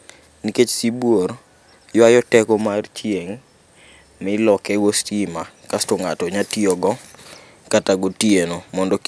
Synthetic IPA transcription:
niket͡ʃsibwoɾ | jwajɔtɛkɔmart͡ʃieŋ | mɪlɔkɛɡostimakastoŋatɔɲatiɔɡɔ | kataɡotienomɔndɔk

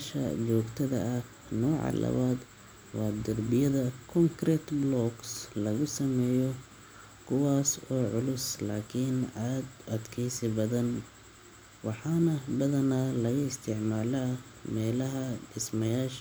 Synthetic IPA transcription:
ʃɐ̰t͡ʃɔːɡt̪ʰɐðɐ̰ʔɐ | nɔːʕɑ̰lɐ̰βaːd̪ | wɑːd̪ɐrbɪjɐðɐkʰɔŋkʰrɛːt̪blɔɡslɐɣʊsɐmɛːjɔ | kʰʊwaːsɔːʕʊlʊslaːkʰɪnʕaːd̪ʔɐd̪kʰɛːsɪbɐðɐn | wɑħɑːnɐbɐðɐnaːlɐɣɐɪst̪ʰɪʕmaːlaː | mɛːlɐɦɐɖɪsmɐjaːʃ

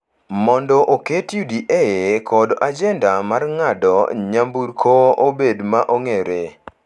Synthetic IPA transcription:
mɔndɔʔoketjudiʔekʰɔdʔad͡ʒɛndamarŋadɔ̰ɲambuɾkʰoʔobedmaʔoŋeɾe

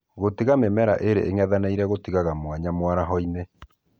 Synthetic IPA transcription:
ɣotiɣamemɛɾa̰ʔeɾḛʔeŋɛðanaiɾɛɣotiɣaɣamwaɲamwaɾaɦɔine

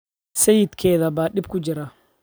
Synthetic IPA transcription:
sɛjɪd̪kʰɛːðɐbaːɗɪb̚kʰʊd͡ʒɪɾa

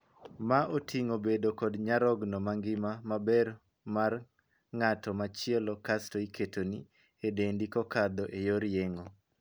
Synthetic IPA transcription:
maʔotʰiŋobedokɔdɲaɾɔɡnɔmaŋɡɪmamabɛr | mar | ŋatɔmat͡ʃɪɛlɔkastoikʰetoni | edendikɔkad̪ɔʔejoɾjeŋo

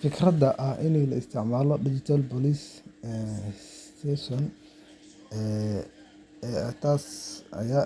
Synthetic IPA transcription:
fɪkrɐd̪ɐʔɐhɪnɛjlɐɪst̪ʰɪʕmaːlɔɖɪt͡ʃɪt̪ʰalbɔliːsɛst̪ʰɛsɔn | ɛː | t̪ʰaːsɐ̰jaː

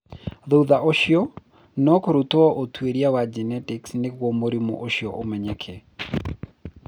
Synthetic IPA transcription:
ðouðaʔoʃiɔ | nɔkoɾut̪oɔʔotweɾiawad͡ʒɛnɛtɪksnɪkwɔmoɾimo̰ʔoʃiɔʔomɛɲɛkʰe

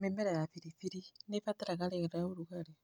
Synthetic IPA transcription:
mɛmɛɾajafiɾiθiɾinefat̪aɾaɣaɾɛɣɛɾaoɾukaɾe

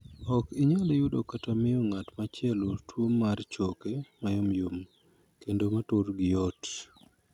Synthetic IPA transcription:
ɔkɪɲadejudokatamɪjoŋatmat͡ʃɪɛlotwomːart͡ʃokemajɔmjom | kendomatoɾɡɪjɔt

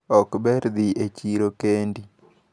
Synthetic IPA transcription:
ɔkbɛɾd̪iʔet͡ʃiɾokendi

